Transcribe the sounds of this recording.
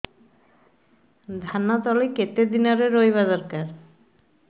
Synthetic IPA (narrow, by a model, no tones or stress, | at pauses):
d̪ʱanat̪ɔliket̪ed̪inaɾeɾojβad̪ɔɾkaɾ